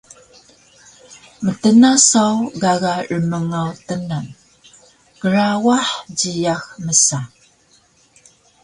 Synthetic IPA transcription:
mətənasawɡaɣaʔəməŋawtənan | kəɾawaħɟijaxməsa

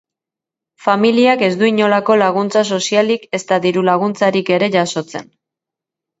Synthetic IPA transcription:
familiake̞zd̪uiɲo̞lako̞laɣ̞unt͡saso̞sialike̞st̪aðiɾulaɣ̞unt͡saɾike̞ɾe̞ʝaso̞t͡se̞̰n

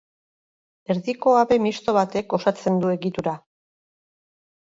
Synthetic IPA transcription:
e̞ɾðiko̞aβe̞mist̪o̞βat̪e̞ko̞sat͡se̞nd̪ue̞ɣit̪uɾa

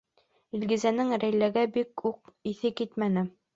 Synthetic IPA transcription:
ilɡizænɘŋɾæjlæɡæbikuq̚iθɘkit̪mænɘ

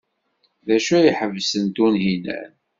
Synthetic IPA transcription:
ðæʃæjəħəvsənt̪unɦinæ̰n

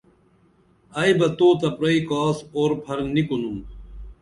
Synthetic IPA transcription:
aːjbɐt̪oːt̪ɐpɾɐikaːsoːɾpʰɐɾnikunum

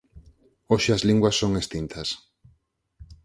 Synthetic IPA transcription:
oʃɪɐzliŋɡwɐsːoŋest̪int̪ʰɐs

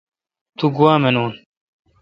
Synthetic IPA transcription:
t̪uɡuwaːmenuːn

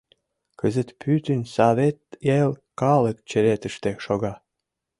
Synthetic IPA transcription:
kəzə̆t̪pʰyt̪ə̆nsɑβet̪̚jelkɑlə̆kt͡ɕə̆ɾet̪ə̆ʃt̪eʃoɣɑ

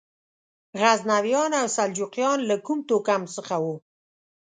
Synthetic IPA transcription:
ɣaznawjɑnawsald͡ʒuqjɑnlakumt̪okamsəxawu

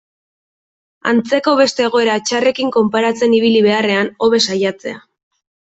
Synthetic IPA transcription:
a̰nt͡se̞ko̞β̞e̞st̪e̞ːɣo̞e̞ɾat͡ʃare̞kiŋko̞mpaɾat͡se̞niβ̞iliβe̞are̞ano̞βe̞sajat͡se̞̰a̰

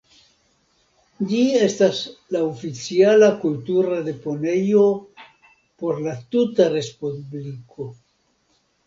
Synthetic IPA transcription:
d͡ʒie̞staslaofit͡sialakultuɾad̪e̞po̞ne̞jo̞ | po̞ɾlatutaɾe̞spublikʰo̞

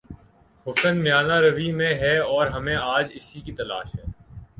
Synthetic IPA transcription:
hʊsənmɪjaːnaɾɐʋimẽɦɛɔːɾɦɐmẽaːd͡ʒɪsikit̪ɐla̰ːʃɦɛ̰ː

